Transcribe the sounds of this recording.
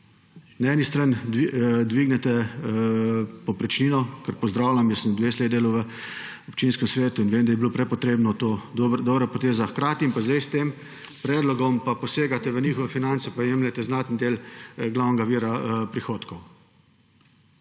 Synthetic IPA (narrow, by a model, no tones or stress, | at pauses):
naɛːnist̪ɾand̪ʋid̪ʋiːɡnɛt̪ɛ | pɔpɾɛt͡ʃniːnɔkəɾpɔzd̪ɾaːwlʲamjəsəmd̪ʋeːsled̪eːluwʋə | ɔp̚t͡ʃinskɛmsʋeːt̪uinʋeːmd̪ajɛbilopɾɛpɔt̪ɾeːbnɔt̪oːd̪obɾapɔt̪eːzaxkɾaːt̪iimpazd̪ajst̪eːm | pɾɛːd̪lɔɡɔmpapɔseːɡat̪ɛʋəniːxɔʋɛfinantsɛpajeːmlʲɛt̪ɛznat̪nd̪eːlɡlawnɛɡaʋiːɾapɾixoːt̪kɔw